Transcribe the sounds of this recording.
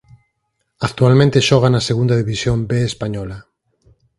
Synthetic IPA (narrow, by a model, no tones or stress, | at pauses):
ak̚t̪ualmẽnt̪eʃɔɣ̞anaseɣũnd̪aðiβisjombeespaɲɔla